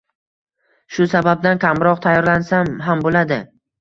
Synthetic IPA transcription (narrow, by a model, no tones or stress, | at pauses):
ʃʊsabab̚d̪ankʲʰamɾɒqt̪ʰajɒɾlansamɦambolad̪ɪ